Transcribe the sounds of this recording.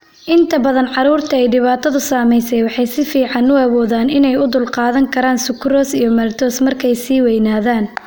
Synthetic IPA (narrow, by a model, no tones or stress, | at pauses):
ʔɪnt̪ʰɐbɐðɐnʕɑɾuːrt̪ʰɐɛjɖɪβaːt̪ʰɐðʊsaːmɛjsɛjwɑħɑjsɪfiːʕɑnʊɐwɔːðaːnɪnɛjʊd̪ʊlqɑːðɐŋkʰɐɾaːnsʊkɾɔːsijɞmɐlt̪ʰɔːsmɐrkʰɛjsiːwɛjnaːðaːn